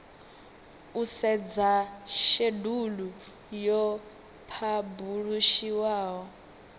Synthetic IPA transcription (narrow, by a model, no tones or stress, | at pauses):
usɛd͡zaʃedulu | jɔ | pʰabuɺuʃiwaːɦɔ